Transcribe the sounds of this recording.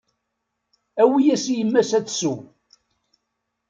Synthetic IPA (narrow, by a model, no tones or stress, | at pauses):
æwijæsijəmːæsæt͡sːsu